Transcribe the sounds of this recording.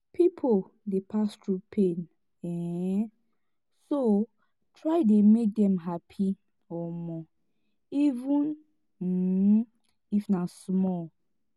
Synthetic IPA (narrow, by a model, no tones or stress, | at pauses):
pʰipʰo | depʰastʰɹupʰẽn | ɛ | so | tʰɹaɪdemek̚dɛ̃mɦapʰi | ɔmɔ | ivũn̩ | ifnasmɔl